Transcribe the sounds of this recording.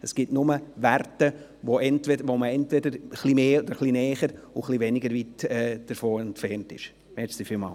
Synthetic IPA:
əsɡ̥ɪtnʊməværtə | ʋoɛntʋɛdʋoməɛntvɛdəɾχlimeːod̥əɾχlinɛːχəɾ | uχlivɛnɪɡəɾvitɛːd̥əɾfoːɛntfɛrntɪ̰ʃ | mɛtsifiːlmɑ̰ːl

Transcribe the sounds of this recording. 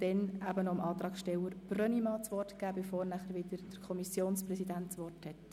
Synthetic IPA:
d̥ɛnæbənɔəmʔɑːt̪ɾɑːkʃtɛləɾb̥rœnimɑːt͡sʋɔrtkæːbefoːɾnæχəɾʋɪdəɾd̥əɾkʰɔmisjoːnsprɛsidæntt͡sʋɔrthɛt

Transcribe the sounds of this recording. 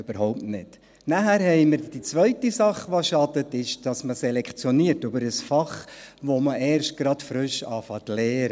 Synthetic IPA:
ʏb̥əɾhɔʊp̚nɪt | næhæɾɦɛɪməɾd̥it͡sʋœʏtisɑχʋoʃɑdətɪʃd̥ɑsməsɛlɛkχt͡sjɔniəɾtʏbəɾəsfɑχʋoməʔɛːɾʃt̚ɡ̥ɾɑtfɾʏʃɑːfɑtlɛːɾə

